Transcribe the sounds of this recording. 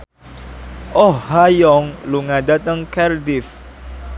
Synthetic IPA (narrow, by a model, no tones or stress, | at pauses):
ʔɔhhajɔŋluŋadat̪əŋkɛrdif